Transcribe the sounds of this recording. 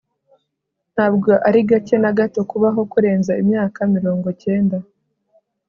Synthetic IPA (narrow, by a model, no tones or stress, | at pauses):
n̥haːbɡo̞ʔaɾiɡace̞naɡato̞kuβaɦo̞kuɾe̞ːnzaimɲaːkamiɾo̞ːŋɡo̞ce̞ːnda